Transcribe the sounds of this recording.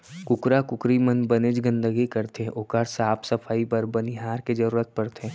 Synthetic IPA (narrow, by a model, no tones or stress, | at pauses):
kʊkɾakʊkɾimənbɐned͡ʒɡə̃nd̪əɡikɐɾt̪ʰeʔoːkaɾsaːpʰsɐpʰaːipɐɾbɐniɦaːɾked͡ʒɐɾuːɾət̪̚pɐɾt̪ʰeː